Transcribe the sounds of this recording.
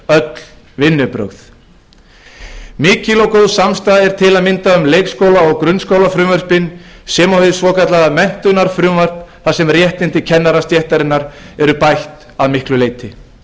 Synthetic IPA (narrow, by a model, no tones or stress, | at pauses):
œt̪l̥ | vɪnːʏpɾœ̰ɣθ | mɪːcɪlɔwkowðsamst̪aːðɛɾ̥t̪ʰɪlaðmɪnt̪aʏmleːjkskowlaɔɣkɾʏnskowlafɾʏːmœɾ̥spɪnsɛmahʏðɪsvɔːkat̪laɣamɛn̥t̪ʏnaɾ̥fɾʏːmvar̥t̪nθasɛmrjɛht̪ɪnt̪ɪcʰɛnːaɾast̪jɛht̪aɾɪnːaɾɛɾʏpajht̪ | aðmɪhklʏleːjt̪ɪ